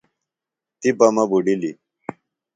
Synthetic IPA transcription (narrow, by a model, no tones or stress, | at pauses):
t̪ipɐmɐbuɖili